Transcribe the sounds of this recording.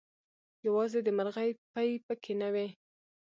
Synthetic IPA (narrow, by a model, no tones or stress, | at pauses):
jawɑzed̪əmaɾɣajpajpəkʰenawe